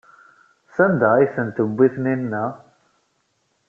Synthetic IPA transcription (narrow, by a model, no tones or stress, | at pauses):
sænd̪æiθənt̪əbʷːiθninːæ